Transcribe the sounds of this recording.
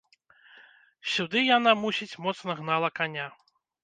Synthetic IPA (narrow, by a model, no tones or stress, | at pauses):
sʲud̪ɨjanamusʲit͡sʲmɔt̪snɐɣnalˠɐkanʲa